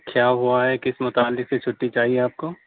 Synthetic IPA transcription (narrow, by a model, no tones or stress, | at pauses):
kʰjaːɦuaɦɛkɪsmʊt̪aːlːɪkset͡ʃʰʊʈːit͡ʃaːɦieaːp̚ko